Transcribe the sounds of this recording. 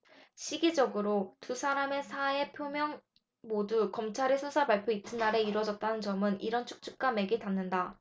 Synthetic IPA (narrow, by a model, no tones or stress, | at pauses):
ɕʰiɡid͡ʑʌɡɯɾotusʰaɾame̞sʰae̞pʰjomjʌŋ | modukʌmt͡ɕʰaɾesʰusʰapaɭpʰjoit͈ʰɯnːaɾe̞iɾwʌd͡ʑʌt̚t͈anɯnt͡ɕʌmɯniɾʌnt͡ɕʰu̥k̚t͡ɕ͈uk̚k͈ame̞ɡitanːɯnda